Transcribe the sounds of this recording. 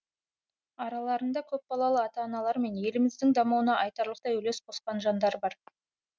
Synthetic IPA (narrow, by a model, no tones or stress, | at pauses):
ɑɾɑlˠɑɾənd̪ɑkʲʰɵp̚bɑlˠɑlˠəɑt̪ɑːnɑlˠɑɾme̞nje̞lɪmɪzd̪ɪŋd̪ɑmɑwənɑʔɑjt̪ɑɾlˠəq̚t̪ɑjɵle̞sbo̞sqɑnʒɑnd̪ɑɾbɑɾ